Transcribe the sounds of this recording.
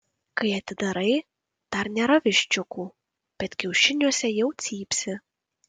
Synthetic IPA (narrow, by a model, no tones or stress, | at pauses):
kɐɪɐt̪ʲɪd̪ɐɾɐɪ | d̪̥ɐɾnʲeːɾɐʋʲɪʃʲt͡ʃʲʊkuː | b̥ʲɛt̪kʲɛʊʃʲɪnʲuɔsʲɛjɛʊt̪sʲiːpʲsʲɪ